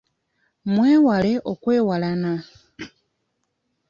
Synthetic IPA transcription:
mweːwaleʔokwe̞ːwalana

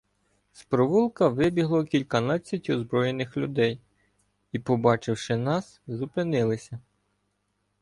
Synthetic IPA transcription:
spɾɔʋulˠkɐʋɪbʲiɦlˠɔkʲilʲkɐnɑt͡sʲːɐtʲɔzbɾɔjenɪxlʲʊd̪ɛj | ipɔbɑt͡ʃɪwʃɪnɑszʊpɪnɪlˠɪsʲɐ

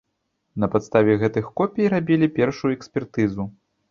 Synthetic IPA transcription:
nɐpat̪st̪avʲɛɣɛt̪ɨxkɔpʲijɾabʲilʲipʲɛrʂujuɛksʲpʲɛrt̪ɨzu

